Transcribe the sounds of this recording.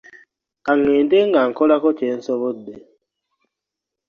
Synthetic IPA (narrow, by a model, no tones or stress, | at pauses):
kaŋeːndeŋɡaŋ̩kɔlakɔt͡ʃen̩sɔβodːe